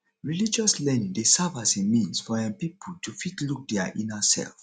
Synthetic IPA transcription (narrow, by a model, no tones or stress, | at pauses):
ɹilid͡ʒɔslɛnĩŋdesavasemĩnsfɔɛ̃npipʰultʰufitluk̚dɛaʔĩnasɛ̰lf